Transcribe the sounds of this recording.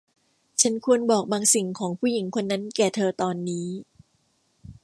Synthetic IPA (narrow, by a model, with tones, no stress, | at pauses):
t͡ɕʰa˦˥nkʰu˧ənbɔː˨˩k̚baː˧ŋsi˨˩ŋkʰɔː˩˦ŋpʰuː˥˩˨ji˨˩˦ŋkʰo˧nːa˦˥nkɛː˨˩t̪ʰɤː˧t̪ɔː˧nːiː˦˥